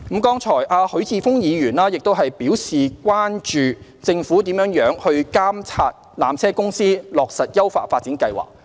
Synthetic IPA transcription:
m˨˥kɔː˥ŋt͡ʃʰɔː˨˩jʔaː˧hɵ˨˥ɥt͡sʰiː˨˧fʊ˥ŋjiː˨˧jyː˨˩naː˥jɪ˨k̚t̪o˥wɦɐ˨jpiː˨˥wsiː˨˩kwʷaː˥nt͡ʃyː˨t͡sɪ˧ŋfu˨˥t̪iː˨˥mjœː˨˥ŋjœː˨˥ŋhɵ˧ɥkaː˥mt͡sʰaː˧t̚ | la̰ː˨mt͡sʰɛː˥kʊ˥ŋsiː˥lɔː˨k̚sɐ˨t̚jɐ˥wfa̰ː˧t̚faː˧t̚t͡siː˨˥nkɐ˧jwa̰ː˨k̚

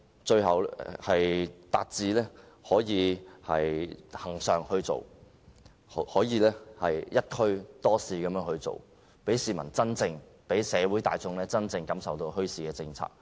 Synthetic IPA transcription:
t͡ʃɵ˧ɥɦɐ˨˩whɐ˨jt̪a̰ː˧t̚t͡siː˨lɛː˥ | hɔː˨˥jiː˨˧hɐ̰˨jhɐ˨˩ŋsœː˨ŋhɵ˧ɥt͡so̰˨˩w | hhɔː˨˥jiː˨˧lɛː˥hɐ˨˩jjɐ˥t̚kʰɵ˥ɥt̪ɔː˥siː˨˩kɐ˨˧mjœː˧˥ŋhɵ˧ɥt͡so̰˨˩w | pe˨˥jsiː˨mɐ˨˩nt͡sɐ˥nt͡sɪ˧ŋpe˨˥jsɛː˨˧wuː˨˥jt̪a̰ː˨jt͡sʊ˧ŋlɛː˥t͡sɐ˥nt͡sɪ˧ŋkɐ˨˥msɐ˨wt̪o˧whɵ˥ɥsiː˨˩kɛː˧t͡sɪ˧ŋt͡sʰa̰ː˧k̚

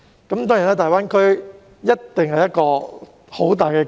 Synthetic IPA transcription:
kɐ˨˥mt̪ɔː˥ŋjiː˨˩naː˥t̪aː˨jwaː˥nkʰɵ˥ɥ | jɐ˥tt̪ːɪ˨ŋhɐ˨jɐ˥t̚kɔː˧ | ho˨˥wt̪aː˨jkɛː˧

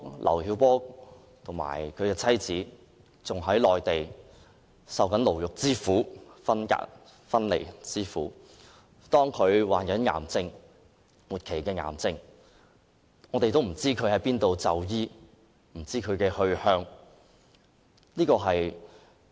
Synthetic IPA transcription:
lʔɐ̰˨˩whiː˨˥wpɔː˥ | t̪ʰʊ˨˩ŋma̰ː˨˩jkʰɵ˨˧ɥkɛː˧t͡sʰɐ˥jt͡siː˨˥ | t͡sʊ˨ŋɦɐ˨˥jlɔː˨jt̪e˨j | sɐ˨wkɐ˨˥nlo˨˩wjʊ˨k̚t͡siː˥fuː˨˥fɐ˥nka̰ː˧˥k̚ | fɐ˥nlḛ˨˩jt͡siː˥fuː˨˥ | t̪ɔː˥ŋkʰɵ˨˧ɥwaː˨nkɐ˨˥nŋa̰ː˨˩mt͡sɪ˧ŋ | muː˨˩t̚kʰe˨˩jkɛː˧ŋa̰ː˨˩mt͡sɪ˧ŋ | ŋɔː˨˧t̪e˨jt̪̬o˥wm̩˨˩t͡siː˥kʰɵ˨˧ɥhɐ˨˥jpiː˥nt̪o˧wt͡sɐ˨wjiː˥ | m̩˨˩t͡siː˥kʰɵ˨˧ɥkɛː˧hɵ˧ɥhœː˥ŋ | liː˥kɔː˧ɦɐ˨j

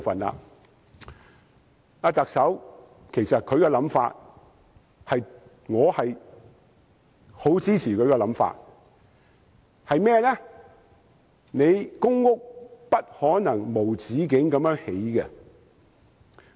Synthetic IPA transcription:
fɐ˨nla̰˧˨ | aː˧t̪ɐ˨k̚sɐ˨˥w | kʰe˨˩jsɐ˨t̚kʰɵ˨˧ɥkɛ˧lɐ˨˥mfa̰ː˧t̚ | hɐ˨j | ŋɔː˨˧hɐ˨j | ho˨˥wt͡siː˥t͡sʰiː˨˩kʰɵ˨˧ɥkɛ˧lɐ˨˥mfa̰ː˧t̚ | hɐ˨jmɛː˥˧lɛ˥ | ne˨˧jkʊ˥ŋːʊ˥k̚pɐ˥t̚hɔː˨˥nɐ˨˩ŋmo˨˩wt͡siː˨˥k̬ɪ˨˥ŋkɐ˨˧mjœː˥ŋhe˨˥jkɛ˧

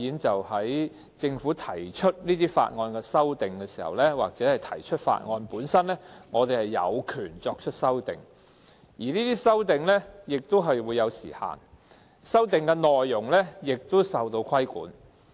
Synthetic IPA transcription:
iː˨˥nt͡sɐ˨whɐ˨˥j | t͡sɪ˧ŋfu˨˥t̪ʰɐ˨˩jt͡ʃʰɵ˥t̚niː˥t̪iː˥fa̰ː˧t̚ŋɔː˧nkɛ˧sɐ˥wt̪ɪ˨ŋkɛː˧siː˨˩hɐ̰˨˩wlɛː˥wa̰ː˨k̚t͡sɛː˨˥hɐ˨jt̪ʰɐ˨˩jt͡ʃʰɵ˥t̚fa̰ː˧t̚ŋɔː˧npuː˨˧˥nsɐ˥nlɛː˥ŋɔː˨˧t̪e˨jhɐ˨˩jːɐ̰˨˧wkʰyː˨˩nt͡sɔː˧k̚t͡ʃʰɵ˥t̚sɐ˥wt̪ɪ̰˨ŋ | jiː˨˩niː˥t̪iː˥sɐ˥wt̪ɪ˨ŋlɛː˥jɪ˨k̚t̪o˥wɦɐ˨jwuː˨˧jːɐ˨˧wsḭː˨˩ha̰ː˨˩n | sɐ˥wt̪ɪ˨˩ŋkɛ˧nɔː˨jːʊ˨˩ŋlɛː˥jɪ˨k̚t̪o˥wsɐ˨wt̪o˧wkʰɐ˥jkṵː˨˥n

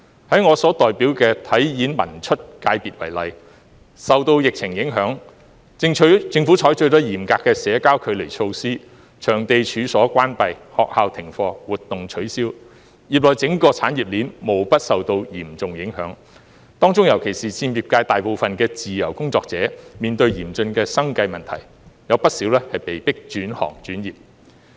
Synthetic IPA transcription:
hɐ˨˥jŋɔː˨˧sɔː˨˥t̪ɔː˨jpiː˨˥wkɛː˧t̪ʰɐ˨˥jjiː˨˥nmɐ̰˨˩nt͡ʃʰɵ˥t̚kaː˧jpiː˨t̚wɐ˨˩jlɐ˨j | sɐ˨wt̪o˧wjɪ˨k̚t͡sʰɪ˨˩ŋjɪ˨˥ŋɦœː˨˥ŋ | ŋʰ˨˧˥t͡sɪ˧ŋfu˨˥t͡ʃʰɔː˨˥jt͡ʃɵ˧ɥt̪ɔ˥jiː˨˩mkaː˧kːɛː˧sɛː˨˧˥kaː˥wkʰɵ˨˧ɥle˨˩jt͡sʰo˧wsiː˥ | t͡ʃʰœː˨˩ŋt̪e˧jt͡ʃʰyː˨˧sɔː˨˥kʷaː˥npɐ˨jhɔ̰ː˨k̚haː˨˧wt̪ʰɪ˨˩ŋfɔː˧wuː˨t̚t̪ʊ˨ŋt͡ʃʰɵ˨˥ɥsiː˥w | jiː˨˩p̚lɔː˨jt͡sɪ˨˥ŋkɔː˧t͡sʰaː˨˥njiː˨˩p̚liː˨˥nmo˨˩wpɐ˥t̚sɐ˨wt̪o˧wjiː˨˩mt͡sʊ˨ŋjɪ˨˥ŋɦœ̰ː˨˥ŋ | t̪ɔː˥ŋt͡sʊ˥ŋjɐ˨˩wkʰe˨˩jsiː˨t͡sʰiː˧mjiː˨p̚kaː˧jt̪aː˨˩jpo˨wfɐ˨nkɛː˧t͡siː˨jɐ̰˨˩wkʊ˥ŋt͡sɔː˧k̚t͡sɛː˨˧˥miː˨nt̪ɵ˧ɥjiː˨˩mt͡sɵ˧nkɛː˧sɐ˥ŋkɐ˧jmɐ˨nt̪ʰɐ̰˨˩j | jɐ˨˧wpɐ˥t̚siː˨˥wlɛː˥hɐ˨jpe˨jpɪ˥k̚t͡ʃyː˨˥nhɔ̰ː˨˩ŋt͡ʃyː˨˥njiː˨p̚

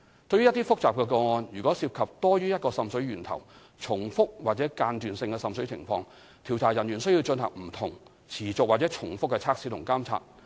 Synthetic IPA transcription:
t̪ɵ˧ɥyː˥jɐ˥t̪i˥fʊ˥k̚t͡saː˨p̚kɛː˧kɔː˧ŋɔː˧njyː˨˩kɔː˨˥siː˧p̚kʰɐ˨p̚t̪ɔː˥ɥyː˥jɐ˥t̚kɔː˧sɐ˧msɵ˨˥ɥɥyː˨˩nt̪ʰɐ̰˨˩w | t͡ʃʰʊ˨˩ŋfʊ˥k̚waː˨t̚t͡sɛː˨˥kaː˧nt̪yː˨˩nsɪ˧ŋkɛː˧sɐ˧msɵ˨˥ɥt͡sʰɪ̰˨˩ŋfɔː˧ŋ | t̪ʰiː˨˩wt̪ʰaː˨˩jɐ˨˩njyː˨˩nsɵ˥ji˧wt͡ʃɵ˧nhɐ̰˨˩ŋm̩˨˩t̪ʰʊ˨˩ŋ | t͡sʰiː˨˩t͡sʊ˨k̚waː˨t̚t͡sɛː˨˥t͡ʃʰʊ˨˩ŋfʊ˥kːɛ˧t͡sʰaː˥k̚si˨˥t̪ʊ˨˩ŋkaː˥mt͡sʰa̰ː˧t̚

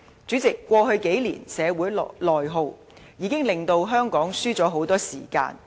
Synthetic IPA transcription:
t͡syː˨˥t͡sɪ˨kːʷɔː˧ɦɵ˧ɥke˨˥jlḭː˨˩nsɛː˨˧wuː˨˥jlɔː˨˩jɦo˧w | jiː˨˧kɪ˥ŋlɪ˨ŋt̪o˧wɦœː˥ŋkɔː˨˥ŋsyː˥t͡sɔː˨˥ɦo˨˥wt̪ɔː˥sḭː˨˩ka̰ː˧n

